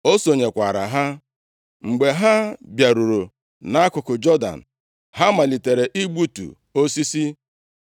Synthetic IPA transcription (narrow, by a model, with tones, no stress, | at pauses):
o˦so˨ɲe˨kʷa̰˨ɾa̰˨ɦa˦ | ŋ͡m̩˨ɡ͡be˨ɦa˦bja˨ɾu˨ɾu˨ | na˦a˦kʊ˨kʊ˨d͡ʒɔ˦da̰˨n̩˨ | ɦa˦ma˨li˨te˨ɾe˨ʔi˦ɡ͡bu˦tṵ˨ | o˦si˦si˦